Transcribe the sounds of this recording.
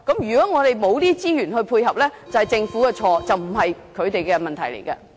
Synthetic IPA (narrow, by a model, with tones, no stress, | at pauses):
kɐ˨˥mjyː˨˩kɔː˨˥ŋɔː˨˧t̪e˨jmo˨˧wt̪iː˥t͡siː˥jyː˨˩nhɵ˧ɥpʰuː˧jɦɐ˨p̚lɛː˥t͡sɐ˨whɐ˨jt͡sɪ˧ŋfuː˨˥kɛ˧t͡ʃʰɔː˧t͡sɐ˨wm̩˨˩ɦɐ˨jkʰɵ˨˧ɥt̪e˨jkɛ˧mɐ˨nt̪ʰɐ˨˩jlḛ˨˩jkɐ˧